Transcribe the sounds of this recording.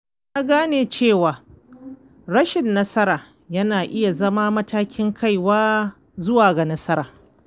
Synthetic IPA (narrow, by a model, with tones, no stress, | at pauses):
jaː˦ɡaː˦neː˨t͡ʃeː˦˨waː˨ | ɽɐ˦ʃɪ˨nːɐ˦sɐ˦ɾaː˨ | jɐ˦naː˨ʔɪ˦ja˨zɐ˦ma˦mɐ˦taː˦kʲɪ˦ŋkʰa˦˨jwaː˦ | zʊ˦waː˨ɡa˨nɐ˦sɐ˦ɾaː˨